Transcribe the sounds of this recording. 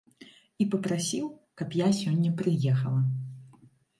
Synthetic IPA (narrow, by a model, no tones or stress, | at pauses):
ipɐpɾasʲiwkɐpjasʲɔnʲːɐpɾɨjɛxɐlˠɐ